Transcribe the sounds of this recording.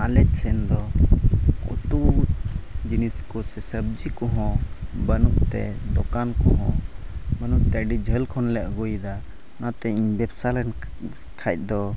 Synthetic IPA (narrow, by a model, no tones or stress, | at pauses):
alɛsɛnd̪ɔ | kṵt̪u | d͡ʒiniskɔsɛsəb̚d͡ʒikɔɦɔ̃bənuʔt̪ɛ̰d̪ɔkankɔɦɔ̃bənuʔt̪ɛɖid͡ʒʱəlkʰɔnlɛʔ̚ɡujd̪a | nat̪ɛiɲbɛbsalɛn | kʰac̪̚ˀd̪ɔ